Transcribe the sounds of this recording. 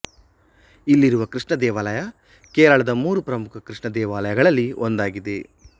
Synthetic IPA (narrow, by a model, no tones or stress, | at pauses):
ilːiɾuʋɐkɾiʂɳɐd̪ɛːʋaːlɐjɐ | kɛːɾɐɭɐd̪ɐmuːɾupɾɐmukʰɐkɾiʂɳɐd̪ɛːʋaːlɐjɐɡɐɭɐlːiond̪aːɡid̪e̞